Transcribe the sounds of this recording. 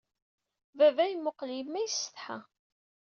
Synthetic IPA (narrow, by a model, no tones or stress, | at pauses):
vævæjmʊqlimːæjəsːə̥θħa̰